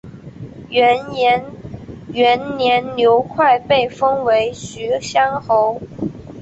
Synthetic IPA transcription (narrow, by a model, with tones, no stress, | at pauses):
nɥɛ˧˥nnjɛ˧˥nljo˧˥ʊkʰwa˥˩˧ɪpe˥˩ɪfɤ˥ŋwe˧˥ɪɕy˧˥ɕjɑ˥ŋxo˧˥ʊ